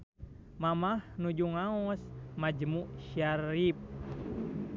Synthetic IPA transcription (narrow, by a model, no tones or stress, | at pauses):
mamahnud͡ʒuŋaɔsmad͡ʒmuʔʃaɾip̚